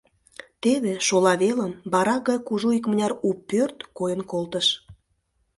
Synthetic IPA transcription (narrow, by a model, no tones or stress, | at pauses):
t̪eβeʃolɑβeləmbɑɾɑɣɑjkuʒuikmənʲɑɾupːørt̪kojənkolt̪əʃ